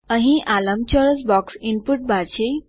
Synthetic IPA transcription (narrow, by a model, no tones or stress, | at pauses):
ə̃ɦĩʔʔaləmt͡ɕɔɾəsbɔksinpuʈ̚bat͡ɕe